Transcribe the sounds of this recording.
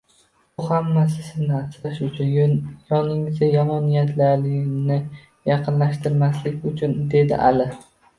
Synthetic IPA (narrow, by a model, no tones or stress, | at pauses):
bʊhamːasɪzɪnat͡ʃ̪aʃʊt͡ʃʰʊnjɒnɪŋɪzajɒmɒnijat̪ʰlaɾlɪnɪ | jɑqʰɨnlaʃt̪ɪɾmaslɪkʲʊt͡ʃʰʊnd̪e̞d̪ɪ̰ʔa̰lɪ